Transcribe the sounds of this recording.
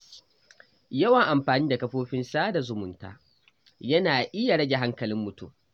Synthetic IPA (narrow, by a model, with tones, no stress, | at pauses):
jɐ˦wɐ˨ŋʔa˨mɸaː˨niː˦da˨kɐ˦ɸoː˦ɸɪ˦nsaː˦da˨zʊ˨mʊ˨nta̰ː˦ | jɐ˦naː˨ʔɪ˦ja˨ɽɐ˦ɡʲe˨ɦa˦ŋkɐ˨lɪ˦mːʊ˨tṵ˦m